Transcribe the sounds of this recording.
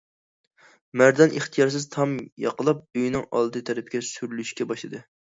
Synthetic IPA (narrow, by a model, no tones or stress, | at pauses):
mæɾd̪ɑnʔeχt̪ʰijɑɾs̬ɨzt̪ʰɑmjɑ̰qəlˠɑp̚øjnɪŋɑ̰lˠd̪ɨt̪ʰɛɾɪpʰɪkʲɛsyɾlyʃkʲɛbɑʃlˠɨd̪ɨ